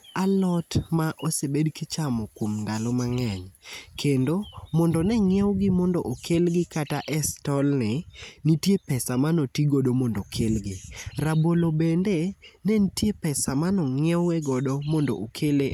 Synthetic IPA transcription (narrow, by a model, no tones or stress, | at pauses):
alɔtmaʔosebedkɪt͡ʃamɔkwomndalɔmaŋɛɲkʰendomɔndɔnɛŋɪɛwɡɪmɔndɔʔokʰelɡɪkataʔɛstɔlnɪnitjepɛsamanotiɡodomɔndɔkʰelɡɪrabolobendenɛntjepɛsamanɔŋɪɛwɛɡɔdomɔndo̰ʔokʰele